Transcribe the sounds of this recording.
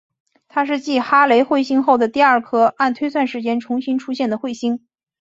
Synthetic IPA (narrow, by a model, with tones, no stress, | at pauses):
t̪ʰa˥ʂ̬ɻ̩˥˧t͡ɕi˥˩xa˥le˧˥ɪxwe˥˩ɪɕi˥ŋxo˥˩ʊd̪ə˩t̪i˥˧ɐ˞˥˩kʰɤ˥a˥˩nt̪ʰwe˥ɪswa˥˩nʂɻ̩˧˥t͡ɕjɛ˥nʈ͡ʂʰʊ˧˥ŋɕi˥nʈ͡ʂʰu˥ɕjɛ˥˩nd̪ə˩xwe˥˩ɪɕi˥ŋ